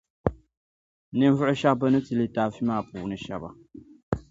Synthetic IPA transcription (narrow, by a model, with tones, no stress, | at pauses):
nɨ˦m˦vʊ˦ʔʊ˦ʃa˦kba˦nɨ˦tɨ˨lɨ˦taː˨fi˦maː˦˨puː˨nɨ˨ʃɛ˨ba̰˨